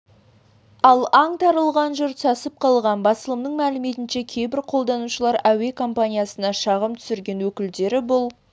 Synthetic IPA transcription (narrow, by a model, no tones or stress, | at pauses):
ɑlˠɑɴt̪ʰɑɾəlˠʁɑnʒʊɾt̪sɑsəp̚qʰɑlˠʁɑnbɑsəlˠəmnəɴmælɪme̞t̪ɪnʃe̞kʲʰe̞jbɪɾqʰo̞lˠd̪ɑnuʃəlˠɑɾæwe̞kʰo̞mpanʲijasənɑʃɑʁəmt̪ʰʏ̥sɪɾɡʲe̞nwɵkʲɪld̪e̞ɾɪbʊlˠ